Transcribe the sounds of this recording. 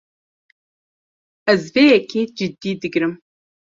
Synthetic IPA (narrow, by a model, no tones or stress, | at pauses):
ɛzveːjɛkʰeːd͡ʒɨd̪ːiːd̪ɨɡɾɨm